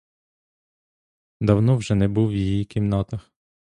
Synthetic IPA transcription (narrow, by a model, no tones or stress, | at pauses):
d̪ɐwnɔwʒɛnɛbuwjijikʲimnat̪ɐx